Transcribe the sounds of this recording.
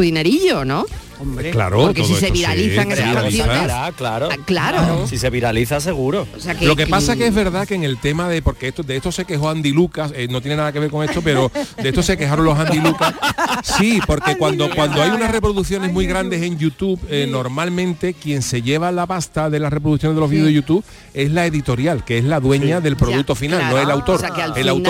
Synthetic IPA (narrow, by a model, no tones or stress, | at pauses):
uðineɾiʎonõ | omkla̰ɾoeosieseβiɾaliθaŋesajoaaklaɾoklaɾosiseβiɾaliθas̬eɣuɾooseaklo̞ke̞pasakeezβe̞ɾðakeːŋe̞lt̪e̞maðe̞po̞ɾkeet̪od̪eet̪o̞se̞ke̞ɦo̞and̪ilukasenot̪je̞ne̞naðake̞βe̞ɾkoŋe̞ht̪o̞pe̞ɾo̞d̪eet̪ose̞ke̞ɦaɾonlo̞sand̪ilukasipo̞ɾke̞kwand̪okwand̪oajunare̞pɾoðuθjo̞ne̞zmuiɣɾand̪e̞se̞ŋʝut̪uβno̞ɾmalmẽnt̪e̞kje̞ŋseʝe̞βalapast̪aðe̞lasre̞pɾo̞ðuθjoneðelo̞zβiðʝut̪uβ | e̞ɦlae̞ðit̪o̞ɾjalkeeɦlaðwe̞ɲaðe̞lpɾoðuk̚t̪o̞finalnoelawt̪o̞ɾelawt̪